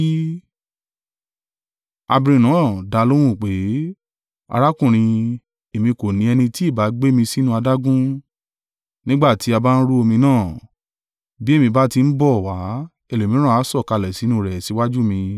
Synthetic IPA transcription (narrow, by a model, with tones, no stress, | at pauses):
a˧bi˧ɾ̃ĩ˧nãː˨˦˨da˧lo˦w̃ũ˦˨k͡pe˨˦ | a̰˧ɾa˦kũ˦˨ɾ̃ĩ˧ | e˨mĩ˧ko˨nĩ˨˦ɛ˧nĩ˧ti˦i˦˨ba˨˦ɡ͡be˦mĩ˧si˦nũ˧a˧da˦ɡũ˦ | nĩ˦ɡ͡ba˦˨ti˨˦a˧ba˦n̩˦ɾu˦o˧mĩ˧nãː˦˨ | bi˦e˦˨mĩ˧ba˦ti˧n̩˦bɔ˦˨wa˨˦ | e˦˨lo˨mĩ˨˦ɾ̃ã˦a˨˦sɔ˦˨ka˧˨lɛ˨si˨˦nũ˧˦ɾɛ˨si˨˦wa˦d͡ʒu˦mĩ˧